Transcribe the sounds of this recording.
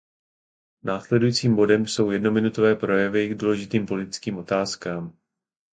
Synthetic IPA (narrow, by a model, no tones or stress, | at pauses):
naːslɛdujiːt͡siːmbo̞dɛmso̞wjɛdno̞mɪnut̪ovɛːpɾo̞jɛvɪɡduːlɛʒɪt̪iːmpo̞lɪt̪ɪ̥t͡skiːmʔo̞t̪aːskaːm